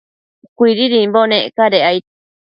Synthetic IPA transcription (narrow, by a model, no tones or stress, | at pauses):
kʷiɾiɾimbonẽʔkaɾeajt̪